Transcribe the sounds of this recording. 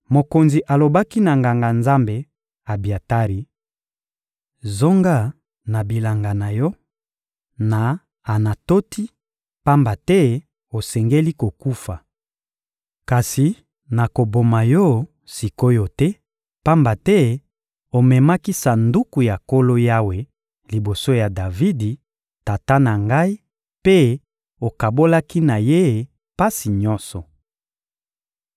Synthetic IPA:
mo˨ko˨nzi˨ʔa˨lo˨ba˦ki˦na˨ŋɡa˨ŋɡa˨nza˦mbe˨ | a˨bi˨a˨ta˦ʁi˨ | zo˦ŋɡa˦˨ | na˨bi˨la˨ŋɡa˨na˨jɔ˦ | na˨ | a˨na˨to˦tʰi˦ | pa˦mba˨tɛ˦ | o˨sɛ˨ŋɡe˦li˦ko˨ku˦fa˨ | ka˨si˨ | na˨ko˨bo˨ma˨jɔ˦ | si˨ko˦jɔ˦tɛ˦ | pa˦mba˨tɛ˦ | o˨mɛ˨ma˦ki˦sa˨ndu˦ku˨ja˨ko˦lo˦ja˦we˨ | li˨bo˨so˦ja˨da˨vi˦di˨ | ta˨ta˦na˨ŋɡa˦i˦ | pe˦ | o˨ka˨bo˦la˦ki˦na˨je˦˨ | pa˦si˨ɲɔ˦sɔ˨

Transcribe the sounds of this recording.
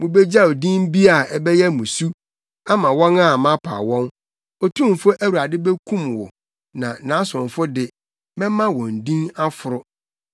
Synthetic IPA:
mʊ̃˨bɛ˦d͡ʑa˦o˨dĩ˦m˦bi˦a˦˨ɛ˨bɛ˦jɛ˦mũ˨su˦ | a˦mã˨wɔ̃˦na˦˨mã˦pʰa̰˨wɔ̃˦n | ɔ˨tʰũ˦m˨fʊ˦ʔæ˦wu˨ɾa˨dɪ˦bɛ˦kʰũ˦mwɔ̰˨ | nã˨nã˨˦sʊ̃˨n˨fʊ˦dɪ˨ | mɛ̃˦mã˦wɔ̃˨n̩˨dĩ˦na˦fʊ˨ɾʊ˦

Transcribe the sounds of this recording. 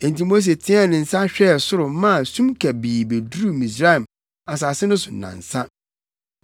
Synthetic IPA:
ẽ˨n˨tĩ˦mo˦s̬e˨tʰɪ̃˦ɛ˦˨nɪ̃˨n̩˨sa˦ɕᶣɛ˦˨sʊ˦ɾʊ˨mã˦˨sũ˦mkʰɛ˨biː˨be˨dɾu˦˨mĩ˨s̬ɾa˦ɛ˨m | a˨s̬a˨sɪ˦nʊ̃˦sʊ˨nã̰˨n˨sã˦

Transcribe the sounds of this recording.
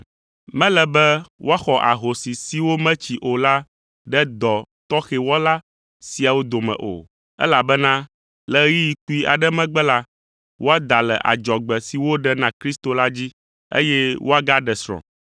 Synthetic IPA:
mɛ̃˦lɛ˨bɛ˦wo˦a˦xɔ˨ʔa̰˨ɦo˨si˨si˨wo˦mɛ̃˦t͡ɕi˨ʔo˨la˦ | ɖɛ˦d̪ɔ˨t̪ɔ˦xɛ˨wɔ˦la˦ | si˨a˨wo˦d̪o˨mɛ̰̃˨ʔo̰˨ | ɛ̰˦la˨bɛ˦nã˦ | lɛ˦ji˦ji˨ku˦i˦a̰˨ɖɛ˦mɛ̃˦ɡ͡bɛ˦la˦ | wʔo˦a˦d̪a˨lɛ̰˨ʔa̰˨d͡ʒɔ˨ɡ͡bɛ˨si˨wo˦ɖɛ˦nã˨kɾi˦st̪o˨la˦d͡ʑi˦ | ḛ˦jɛ˦wʔo˦a˨ɡa˦ɖɛ˨sɾɔ̰̃˨

